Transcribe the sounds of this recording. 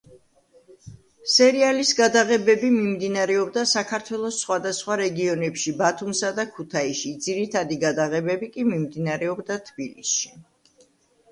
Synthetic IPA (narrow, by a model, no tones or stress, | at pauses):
sɛɾialisɡad̪aʁɛbɛbimimd̪inaɾɛɔbd̪asakʰaɾt̪ʰwɛlˠɔsːχwad̪asχwaɾɛɡiɔnɛpʃibat̪ʰumsad̪akʰut̪ʰaiʃid̪ziɾit̪ʰad̪iɡad̪aʁɛbɛbikʼimimd̪inaɾɛɔbd̪at̪ʰbilisʃi